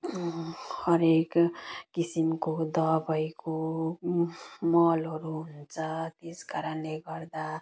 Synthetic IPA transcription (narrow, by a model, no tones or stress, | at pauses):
hʌɾekkisimkod̪ʌbʌjko | mʌlʌɾuɦunt͡sʰʌt̪eskaɾʌnleɡʌɾd̪a